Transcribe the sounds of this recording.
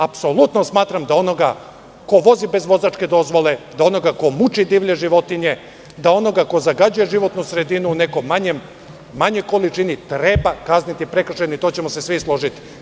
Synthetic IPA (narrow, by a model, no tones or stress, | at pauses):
apso̞lut̪nosmaːt̪ɾamd̪ao̞no̞ɡa | ko̞ʋo̞zibe̞zʋo̞zaːt͡ʃke̞d̪o̞zʋo̞le̞d̪ao̞no̞ɡako̞mut͡ʃid̪iːʋʎeʒiʋo̞t̪iɲe̞ | d̪ao̞no̞ɡako̞zaɡad͡ʑuje̞ʒiʋo̞t̪nusɾe̞d̪inuːne̞kojmaɲemː | aɲo̞jko̞lit͡ʃinit̪ɾebakaznit̪ipɾe̞kr̩ʃenoit̪o̞t͡ɕe̞mosesʋislˠo̞ʒit̪i̥